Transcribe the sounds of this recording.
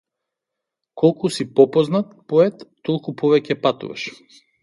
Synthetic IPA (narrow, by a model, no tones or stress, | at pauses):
kʰɔlˠkusipɔpɔznat̪pɔɛt̪ːɔlˠkupɔvɛcɛpat̪ṵva̰ʃ